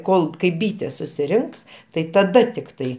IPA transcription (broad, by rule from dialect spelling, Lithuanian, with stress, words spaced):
ˈkoːlˠ kɐɪ ˈbʲiːtʲeːs sʊsʲɪˈrʲɪŋks tɐɪ tɐˈdɐ tʲɪkˈtɐɪ